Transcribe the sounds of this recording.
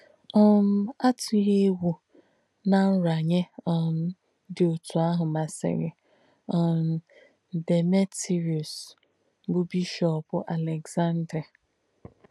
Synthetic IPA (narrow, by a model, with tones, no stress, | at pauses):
ɔ˦m̩˦a˦tʊ˨˦ɦe˦wu˨ | na˦n̩˦ɾa˨ɲe˦ɔ˨m̩˦ | dɪ˨o˨tu˨a˦ɦʊ˨ma˨sɪ̰˨ɣɪ̰˨ | ɔ˨m̩˨ | de˨me˦ti˨ɾi˨u˨s | bʊ˦bi˦ʃɔ˦pʊ˦ʔa˨le˨ɡza˦n̩˦dɾe˨